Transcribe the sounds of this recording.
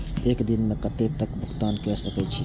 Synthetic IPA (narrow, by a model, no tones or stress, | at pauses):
ekd̪inmekət̪et̪əkbʱukt̪ankɛsəkɛt͡ʃʰi